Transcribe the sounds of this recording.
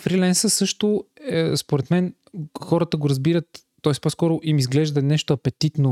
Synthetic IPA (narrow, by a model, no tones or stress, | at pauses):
fɾilɛnsəsɤʃt̪ʊspoɾɛt̪mɛn | xɔɾət̪əɡoɾɐzbiɾət̪ː | ɔɛs̚pɔskɔɾʊʔimizɡlɛʒd̪ɐnɛʃt̪oɐpɛt̪it̪no